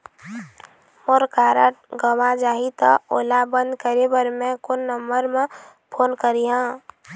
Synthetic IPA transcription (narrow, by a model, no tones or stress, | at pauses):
moɾkaɾəʈɡəʋad͡ʒaɦit̪ɔo̰labə̃nd̪kəɾebəɾmẽkonːəmbəɾmẽ | pʰoːnkəɾiɦã